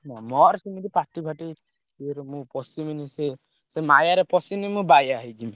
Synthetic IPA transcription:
namɔɾsimit̪ipaʈibʱaʈi | eɾemũpɔsiminise | semajaɾepɔsinimũbajaɦid͡ʒim

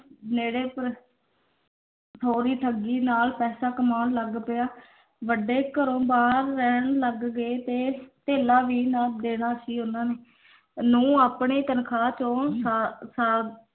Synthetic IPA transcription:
neːɽeːpəɾ | t̪ʰoːɾiːʈ̪ʰəɡiːnaːlpɛːsaːkəmaːnləɡpeaː | ʋəɖeːkəɾõːbaːɾːɛːɳləɡːeːt̪eːt̪eːlaːʋiːnaːd̪eːɽaːʃiːɦʊnãːneː | nũːaːpɳeːt̪ənkʰaːt͡ʃõːsasaː

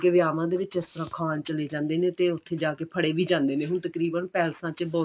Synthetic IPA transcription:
keːʋɪjaːʋãːd̪eːʋɪt͡ʃɪst̪əɾãːkʰaːnt͡ʃəleːd͡ʒãːnd̪eːneːt̪eːʊt̪ʰːeːd͡ʒaːkeːpʰəɽeːʋiːd͡ʒãːnd̪eːneːɦʊɳt̪əkɾiːbənpɛːlsãːt͡ʃbɔː

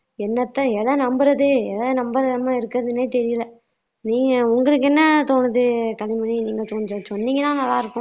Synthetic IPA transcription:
ɛnːɐt̪ːɐɛðɐ̃nɐmbɯɾɐðɯɛðɐnɐmbɐɾɐðɯɐmːãːɪɾɯkːɯɾɐðɯneːt̪ɛɾɪjlɐ | niːŋɡɐʊŋɡɐɭɯkːɛnːɐt̪oːnɯðɯkɐlɪmɐniniːŋɡɐsɔnːɔsɔnːiŋɡɐnaːŋɐlaːɪɾɯkːʊ̃

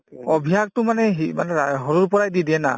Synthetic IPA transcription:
ɔbʱijak̚tʊmanɛɦimanɛaɦɔɹuɹpɔɹajdidiɛna̰

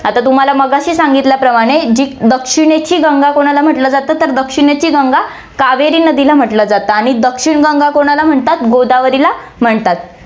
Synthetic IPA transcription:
at̪at̪um̤alaməɡaɕiːsãŋɡit̪ljapɾəmaɽ̃ed͡ʑiːd̪əkʂiɽ̃et͡ɕiːɡãŋɡakoɽ̃alam̤əʈləd͡zat̪ət̪ːəɾd̪əkʂiɳet͡ɕiːɡãŋɡa | kaʋeɾiːnəd̪ilam̤əʈləd͡zat̪əaɽ̃id̪əkʂiɳɡaŋɡakoɽ̃alam̤əɳt̪at̪ɡod̪aʋəɾilam̤əɳt̪at̪

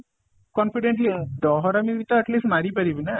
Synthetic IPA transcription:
kɔnfiɖeɳʈlid̪ɔːɦɾɐmiɾit̪ːaɐʈliːsʈmɐɾipɐɾiʋinːɐ

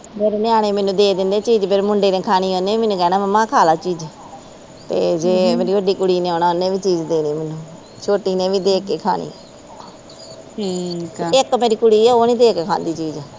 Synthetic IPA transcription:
peɾnɪaːɽ̃ẽːmɛːnũːd̪eːd̪ɪnd̪eːt͡ʃiːd͡ʒpʰɪɾmʊɳɖeːnẽːkʰaːñiːoːneːmɛːnũːkɛːnaːməmãːkʰaːlaːt͡ʃiːd͡ʒ | t̪ḛːd͡ʒeːmeːɾiːʋəɖiːkʊɽiːneːoːnaːʊnːẽːʋiːt͡ʃiːd͡ʒd̪eːneːmɛːnũː | t͡ʃʰoːʈiːnẽːʋiːd̪eːkːeːkʰa̰ːnḭː | iːtːɪkmeːɾiːkʊɽiːɛːoːnĩːd̪eːkeːkʰa̰ːnd̪iːt͡ʃiːd͡ʒ

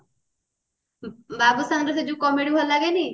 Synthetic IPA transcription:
babusaŋɾesed͡ʒukɔmeɽiɦalaɡeni

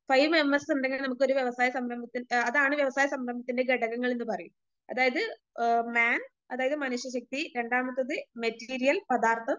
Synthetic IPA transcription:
fɐjʋemɐsuɳɖeŋɡɐlnɐmukːɨoɾuʋjeʋɐsaːjɐsɐmɾɐmbɐt̪ːinɐðaːɳɨʋjɐʋɐsaːjɐsɐmɾɐmbɐt̪ːinde̞ɡeɽɐɣɐŋːɐɭenːɨpɐrɐjum | ɐðaːjɐðɨ | maːn | ɐðaːjɐðɨmɐnuɕjɐɕɐk̚t̪iɾe̞ɳɖaːmɐt̪ːɐðɨmetːiːɾijɐlpɐðaːrt̪ʰɐ

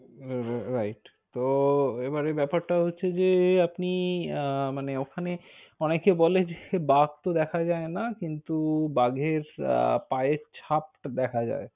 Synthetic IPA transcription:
ɾajʈ | t̪oebaɾebɛpaɾʈaɦotːɕʰed͡ʑeapni | maneokʰaneɔnekebɔled͡ʑebaɡ̚t̪od̪ɛkʰad͡ʑaenakint̪ubaɡʱeɾ̰paet͡ɕʰap̚d̪ɛkʰad͡ʑa̰e

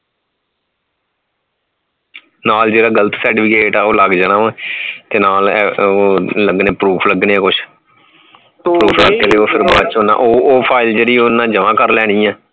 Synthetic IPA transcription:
naːld͡ʒeːɾaːɡələt̪ʰsɛːʈiːpʰɪkeːʈaːoːləɡd͡ʒaːɽaːʋãːt̪eːnaːloːləɡneːpɾuːpʰləɡneːɛ̃ːkʊt͡ʃʰ | pɾuːpʰləɡt̪eːd̪eːoːpʰɪɾbaːt͡ʃonã̰ːʔoːoːpʰaːɪld͡ʒeɽiːonːãːd͡ʒəʋãːkəɾlɛːɽ̃ĩːɛ̃ː

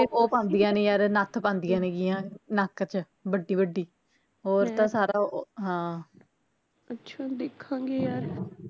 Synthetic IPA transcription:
oːpãːnd̪ɪjãːnẽːjaːɾnat̪ʰpãːnd̪ɪjãːneːɡɪjãːnakt͡ʃ | bəɖːiːbəɖːiː | ɦoːɾt̪ãːsaːɾaːɦãː | ətːʃʰaːd̪ekʰːãːŋɡeːjaːɾ

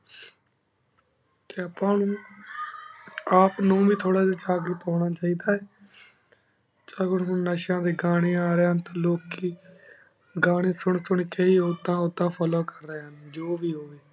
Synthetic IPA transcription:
t̪eːəpãːnũː | aːpnũːʋiːt̪ʰoːɽaːd̪iːt͡ʃaːɡɾʊt̪ɦoːɽ̃aːt͡ʃaːiːd̪aːɛː | t͡ʃaːɡʊɽɦʊnnəʃãːd̪eːɡaːɽ̃eːaːɾeːɦənt̪ãːloːkːiː | ɡaːɽ̃eːsʊɳsʊɳkeːiːod̪ãːʊd̪ãːpʰɔːloːkəɾːəeːɦənd͡ʒoːʋiːɦoːʋeː

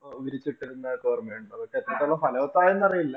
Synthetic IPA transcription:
ʋiɾit͡ɕːiʈːiɾunːɐkoːrmeːɳɖɐðokːet̪ːɐt̪ːoɭːɐpɐnɐːɐt̪ːaːjenːɐrijilːɐ

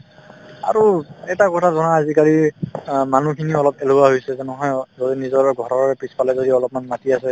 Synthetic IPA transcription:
a̰ɹuɛtakɔtʰazɔnaazikali | manukʰiniɔlɔpeluaɦojsɛzɛnɔɦɔjzodinizɔɹɡʱɔɹɔɹɛpɹispalɛzodiɔlɔp̚manmatiasɛ

